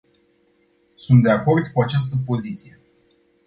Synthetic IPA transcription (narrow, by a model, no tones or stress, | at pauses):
sunt̪̚d̪e̞ako̞rd̪kuat͡ʃas̬t̪əpo̞zit̪sije̞